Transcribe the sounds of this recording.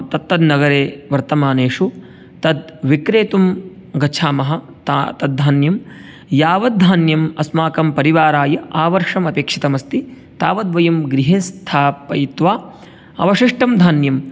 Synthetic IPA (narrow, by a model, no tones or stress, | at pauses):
t̪ɐt̪ːɐd̪nɐɡɐɾeːʋɐɾt̪ɐmaːneːʂu | t̪ɐd̪ʋikɾeːt̪umɡɐt͡ʃʰaːmɐɦɐ | t̪at̪ɐd̪̚d̪ʱaːnjɐm | jaːʋɐd̪̚d̪ʱaːnjɐmɐsmaːkɐmpɐɾiʋaːɾaːjɐʔaːʋɐɾʂɐmɐpeːkʂit̪ɐmɐst̪i | t̪aːʋɐd̪ʋɐjɐmɡɾiɦest̪ʰaːpːɐjit̪ʋaː | ɐ̰ʋɐʂiʂʈɐmd̪ʱaːnjɐm